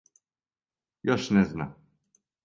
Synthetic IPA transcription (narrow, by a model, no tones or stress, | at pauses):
jɔʃnʲɛzna̰